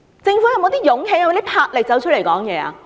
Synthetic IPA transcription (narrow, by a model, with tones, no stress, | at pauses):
t͡sɪ˧ŋfu˨˥jɐ˨wmo˨˧wt̪iː˥jʊ˨˥ŋɦe˨˧˥jɐ˨˧˦t̪i˥pʰaː˧t̚lɪ˨k̚t͡sɐ˨˥wt͡ʃ̚ʰle˨˩jkɔː˨˥ŋjɛː˨˧a̰ː˧